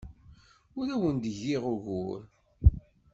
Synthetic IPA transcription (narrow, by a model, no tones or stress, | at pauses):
ʊɾæwənd̪əʝiʁʊɣuɾ